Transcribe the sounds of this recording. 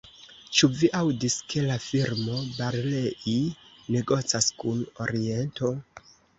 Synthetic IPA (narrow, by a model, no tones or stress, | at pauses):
t͡ʃuviʔawdiske̞lafiɾmo̞baɾle̞ʔine̞ɡo̞t͡saskuno̞̰ɾie̞nto̞